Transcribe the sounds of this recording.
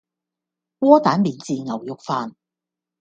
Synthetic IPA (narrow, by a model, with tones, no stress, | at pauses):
wɔː˥t̪aː˨˥nmiː˨nt͡siː˨˧ŋɐ˨˩wjʊ˨k̚faː˨˧n